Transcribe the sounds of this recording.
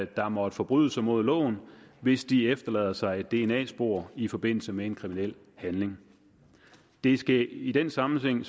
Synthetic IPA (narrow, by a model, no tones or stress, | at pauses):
d̥ɑ̈mɒ̽d̥fɒ̽b̥ʁy̰ðˠəsɑɪmo̝ð̞̰ˠlɔ̰̽ːʊn̩ʋe̝sd̥iefd̥ɐlɛːð̞̰ˠɐsɑ̈ɪed̥ːe̝enɛ̰ːsb̥o̝̰ɐ̰ifɒ̽b̥e̝n̰l̩səmeenkʰʁiminel̰ | hænle̝ŋ | d̥e̝sɡ̥æid̥ensɑ̈mn̩heŋ̰s